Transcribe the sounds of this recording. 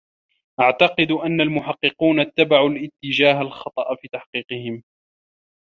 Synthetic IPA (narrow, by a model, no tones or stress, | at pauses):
ʔaʕt̪ɑqɨd̪ʔanːalmʊħɑqːɨquːnat̪ːabaʕulʔɪt̪ːɪd͡ʒaːɦalxɑt̪ˤɑʔfiːt̪aħqiːqɨhɪm